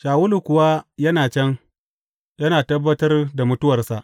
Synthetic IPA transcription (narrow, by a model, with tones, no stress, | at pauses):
ʃaː˨wʊ˦lu˨kʷʊ˨wa˦jɐ˦naː˨t͡ʃɛ˦ŋ | jɐ˦naː˨tɐ˦bːɐ˦tɐ˦rda˨mʊ˦tʊ˦wɐ˨rsa˨ʔ